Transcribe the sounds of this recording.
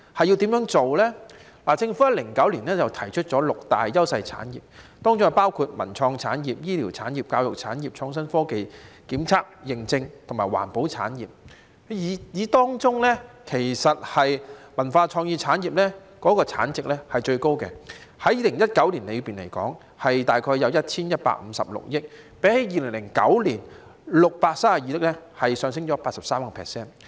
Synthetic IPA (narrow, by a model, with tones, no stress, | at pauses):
hɐ˨ji˧t̪iː˨˥mjœː˨˥ŋt͡so˨wlɛː˥ | laː˨˩t͡sɪ˧ŋfu˨˥jɐ˥t̚lɪ˨˩ŋkɐ˨˥wliː˨˩nlɛː˥t͡sɐ˨wt̪ʰɐ˨˩jt͡ʃʰɵ˥t̚t͡ʃɔː˨˥lʊ˨k̚t̪a̰ː˨jjɐ˥wsɐ˧jt͡sʰa̰ː˨˥njḭː˨p̚t̪ɔː˥ŋt͡sʊ˥ŋhɐ˨˩paː˥wkʰuː˧t̚mɐ̰˨˩nt͡sʰɔː˧ŋt͡sʰaː˨˥njiː˨p̚jiː˥liː˨˩wt͡sʰaː˨˥njiː˨p̚kaː˧wjʊ˨k̚t͡sʰaː˨˥njiː˨p̚t͡sʰɔː˧ŋs̬ɐ˥nfɔː˥ke˨jkiː˨˥mt͡sʰaː˥k̚jɪ˨˩ŋt͡sɪ˧ŋt̪ʰʊ˨˩maː˨˩jwa̰ː˨˩npo˨˥wt͡sʰa̰ː˨˥njiː˨p̚ː | jiː˨˧t̪ɔː˥ŋt͡sʊ˥ŋlɛː˥kʰe˨˩jsɐ˨t̚hɐ˨jmɐ˨˩nfaː˧t͡ʃʰɔː˧ŋjiː˧t͡sʰaː˨˥njiː˨p̚lɛː˥ | kɔː˨˥kɔː˧t͡sʰa̰ː˨˥nt͡sɪ˨k̚lɛː˥hɐ˨jt͡ʃɵ˧ɥko˥wkɛ̰˧hɐ˨˥jiː˨˧lɪ˨˩ŋjɐ˥t̚kɐ˨˥wliː˨˩nle˨˧piː˨nle˨˩jkɔ̰ː˨˥ŋ | hɐ˨jt̪aː˨jkʰɔː˧jːɐ˨˧wjɐ˥t̚t͡sʰiː˥njɐ˥t̚pa̰ː˧k̚m̩˨˧˦sɐ̰˨p̚lʊ̰˨k̚jɪ˥k̚ | pe˨˥he˨˥jiː˨˧lɪ˨˩ŋlɪ˨˩ŋkɐ̰˨˥wliː˨˩n | lʊ˨k̚paː˧k̚saː˥aː˨jiː˨˧t̪ɪ˥k̚lɛ˥hɐ˨jsœː˨˧ŋsɪ˥ŋt͡ʃɔː˨˦paː˧t̚sɐ˨˩psaː˥mkɔ˧pʰɛ̰ː˨˩sɛː˥n